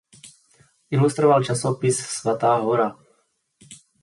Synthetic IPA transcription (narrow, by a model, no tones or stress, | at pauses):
ilust̪ɾɔvalt͡ʃasopissvat̪aːɦɔɾa